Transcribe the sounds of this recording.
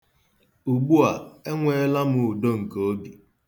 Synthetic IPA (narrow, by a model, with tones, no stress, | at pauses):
u˨ɡ͡bu˦a˨e˦ŋʷe˦la˦mʊ˨u˨do˦ŋ̩˨ko˦bi˨